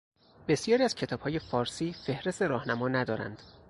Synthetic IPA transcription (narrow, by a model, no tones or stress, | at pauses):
be̞sjɒːɾiːæz̥cʰe̞t̪ʰɒːb̥hɒːje̞fɒːɾsiːfe̞hɾe̞st̪e̞ɾɒːhnæmɒːnæd̪ɒːɾæ̰nd̪̥